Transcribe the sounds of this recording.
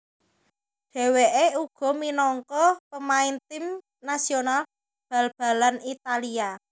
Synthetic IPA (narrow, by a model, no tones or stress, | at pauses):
ɖ̥e̤weʔeuɡ̥ɔ̤minɔŋkɔpəmaɪnt̪ɪm | nasional | b̥a̤lb̥a̤lanit̪alia